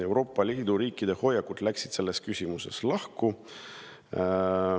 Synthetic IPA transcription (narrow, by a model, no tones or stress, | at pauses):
e̞wɾo̞ːpˑːɑlʲiːd̪̥uɾiːkːˑid̪e̞ho̞jːɑkːut̪læksid̪̥se̞lːe̞skysʲimuse̞̰slɑhku